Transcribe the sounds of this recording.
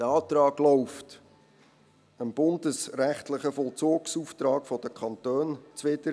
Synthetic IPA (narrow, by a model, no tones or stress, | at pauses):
dəɑːt̪ɾɑːɡlɔʊft | əmb̥ʊndəsɾæχt̪lɪχəfɔlt͡soːksuːft̪ɾɑːɡfɔd̥əkʰχɑnt̪øːnt͡sʋɪdə